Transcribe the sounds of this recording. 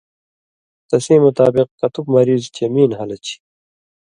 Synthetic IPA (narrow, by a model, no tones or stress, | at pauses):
t̪ɐsĩːmut̪aːbiq̚kɐt̪ubmɐɾiːzt͡ɕemiːnɦɐlɐt͡ɕʰi̥